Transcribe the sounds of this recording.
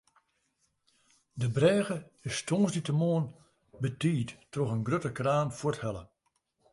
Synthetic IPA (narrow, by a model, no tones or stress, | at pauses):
dəbrɛːɣəɪstʰoːsditəmoːən | bətiːttroɣənɡrøtəkraːnfwɔthɛlˠə̰